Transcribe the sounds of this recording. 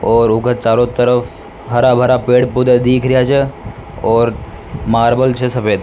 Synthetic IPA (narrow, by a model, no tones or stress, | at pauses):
ɔːɾʊɡət͡ʃaːɾõt̪əɾəfʰ | ɦɐɾabʱɐɾapeːɽpʊd̪ad̪iːkʰɾɪjat͡ʃʰɛɔːɾ | maːɾbəlt͡ʃʰesɐpeːd̪